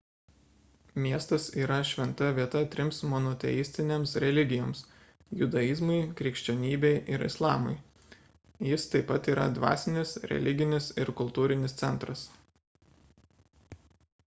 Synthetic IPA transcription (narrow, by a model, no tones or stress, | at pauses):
mʲiɛst̪ɐsiːɾɐʃʲʋʲɛnt̪ɐʋʲiɛt̪ɐt̪ʲɾʲɪmsmɔnɔt̪ʲɛ̰jɪsʲt̪ʲɪnʲeːmsɾʲɛlʲɪɡʲɪjoːms | jʊd̪ɐizmɐɪkɾʲɪkʃʲt͡ʃʲɛnʲiːbʲɛɪʔɪɾɪ̰slˠɑːmɐ̰ɪ | jɪst̪ɐɪpːɐt̪iːɾɐ̰d̪ʋɑ̰ːsʲɪnʲɪsɾʲɛ̰lʲɪɡʲɪnʲɪsɪɾkʊlˠt̪uːɾʲɪnʲɪst̪sʲɛnˑt̪ɾɐs